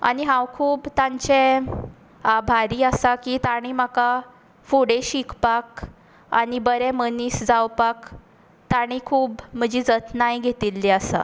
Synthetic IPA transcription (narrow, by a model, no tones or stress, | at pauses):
a̰ɽiɦãwkʰuːbt̪ãɲt͡ɕe | abʱaɾiːəsakiːt̪aɽ̃im̤aka | fuɽeɕikʰpak | a̰ɽibəɾɛmənisd͡zawpak | t̪aɽ̃ikʰuːbm̤əd͡ʑiːd͡zət̪najɡʱet̪ilːiəsa̰